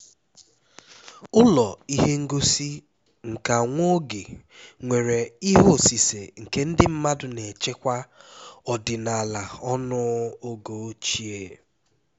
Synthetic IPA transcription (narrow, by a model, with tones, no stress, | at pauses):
ʊ˦lɔ˨i˦ɦe˦ŋ̩˦ɡo˦si˦ | ŋ̩˨ka˨ŋʷo˦ɡe˨ | ŋʷe˨ɾe˨i˦ɦo˦˨si˨se˨ŋ̩˨ke˦n̩˦dɪ˦m̩˦ma˦dʊ˦ne˨t͡ʃe˦kʷa˦ɔ˨dɪ˨na˨la˨ɔ˦nʊ˦o˦ɡo˨˦t͡ʃi˦e˦